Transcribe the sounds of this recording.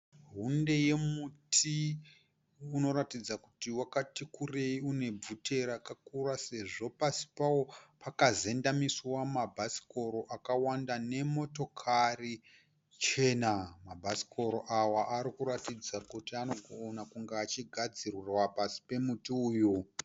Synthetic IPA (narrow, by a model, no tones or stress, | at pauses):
ɦunde̞je̞mutʰi | uno̞ɾatid͡zakutiwakatikure̞iune̞b͡vutʰe̞ɾakakurase̞ʐo̞pasi̥pawopakaze̞ndamiswamabʱasi̥ko̞ɾo̞ʔakawandane̞mo̞to̞kʰari | t͡ʃe̞ːnamabʱasi̥ko̞ɾoʔawaʔaɾikuɾatid͡zakutiano̞ɡʱoːnakuŋɡeat͡ʃiɡʱad͡zirirwapasi̥pe̞mutiuːju